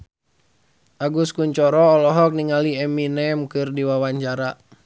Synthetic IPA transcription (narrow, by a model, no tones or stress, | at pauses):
ʔaɡuskuɲt͡ʃɔɾɔːlɔɦɔk̚niŋaliɛminɛmkɨrdiwawaɲt͡ʃaɾa